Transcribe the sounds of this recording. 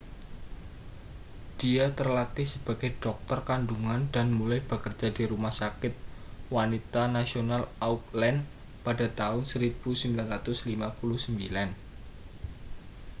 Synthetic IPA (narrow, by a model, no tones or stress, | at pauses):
d̥iat̪ərlat̪isəb̥ä̤ɡ̥ajɖ̥ɔk̚t̪ɔrkanduŋanda̤nmulaib̥ə̤kərd͡ʒ̥a̤diɾumahsakɪt̪̚wanit̪anasionalauk̚lɛn | pada̤t̪aʊnsəɾib̥usəmbilanɾat̪ʊslimapulʊhsəmbilan